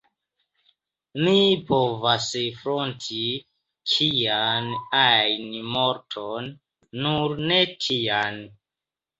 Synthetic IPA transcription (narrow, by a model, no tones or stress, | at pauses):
mipʰovasfɾontʰi | kʰijanajnmo̞ɾtʰonː | uɾne̞tʰian